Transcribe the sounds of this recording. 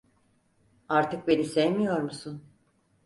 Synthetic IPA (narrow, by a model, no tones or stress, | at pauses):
aɾt̪ʰɯk̚benisejmijoɾmusun